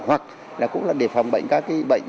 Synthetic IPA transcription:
hwa˨˩k̚ | laː˨˩kʊ̰˧˥ŋ͡mlaː˨˩ɗe˧˩fa˨˩wŋ͡mɓə̰˧˨jŋ̟kaː˦˥kːaː˨˦ɓə̰˧˨jŋ̟

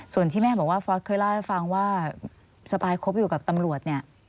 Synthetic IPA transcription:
su˨˩ənt̪ʰiː˥˩mɛː˥˩bɔː˨˩k̚waː˥˩fɔː˧˦˥t̪̚kʰɤː˧˥˩jlaː˥˩a˥˩jfa˧ŋwaː˥˩ | sa˧baː˧jkʰo˦˥p̚juː˨˩ka˨˩p̚t̪a˧mɾu˨˩ət̪̚ni˥˩ɐ

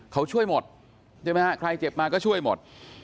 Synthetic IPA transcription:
kʰa˧˩wt͡ɕʰu˧˩əjmo˨˩t̚ | t͡ɕa˧˩ma˧a˧˩kʰɾa˧jt͡ɕe˨˩p̚maː˧kɔː˨˥t͡ɕʰu˧˥˩əjmo˨˩t̚

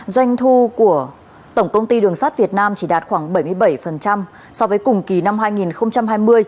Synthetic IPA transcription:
zwa˧jŋ̟t̪ʰu˧ku˧˩ə | t̪ə˧˩wŋ͡mkə˧wŋ͡mt̪i˧ɗɨ˨˩əŋsaː˦˥t̚vi˨˩ət̚naː˧mt͡ɕi˧˩ɗaː˨˩t̚xwaː˧˩ŋɓə˧˩jmɨ˧əjɓə˧˩jfə˨˩nt͡ɕa˧m | sɔ˧vəː˨˦jkʊ˨˩ŋ͡mki˨˩na˧mɦaː˧jŋi˨˩nxə˧wŋ͡mt͡ɕa˧mɦaː˧jmɨ˧əj

